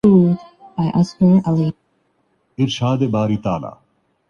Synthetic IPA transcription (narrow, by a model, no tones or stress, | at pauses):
uːdbaɪʔaskə̃nali | ɪɾʃaːd̪ebaːɾiːt̪aːla̰ː